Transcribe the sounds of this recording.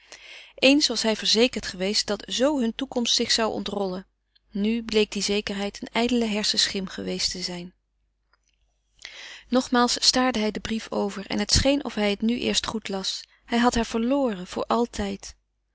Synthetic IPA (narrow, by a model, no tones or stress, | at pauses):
ʔejnsʋɑsɦɛjvəɹzejkəɹtχəʋejst̚d̥ɑtz̥owɦɵntukɔmstsɪχsɑwɔ̰ntrɔlə | nyblejk̚dizejkəɹɦɛjtənɛjdələɦɛɹsəsχɪmχəʋejstəzɛjn | nɔχmaːlˠsːtaːɹdəɦɛjdəbrifo̰wvəɹɛ̰nɦətsχejnɔ̰fɦɛjətnyʔɪ̰ːɹstχutlɑs | hɛjɦɑtɦaːɹv̥əɹloːrəv̥ʊ̰ːɹʔɑlˠtʰɛjt